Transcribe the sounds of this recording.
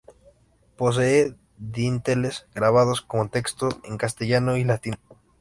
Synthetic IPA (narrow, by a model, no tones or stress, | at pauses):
pos̬ee | ðint̪elezɡɾaβað̞oskomot̪ekst̪oeŋkast̪eʝanoilat̪in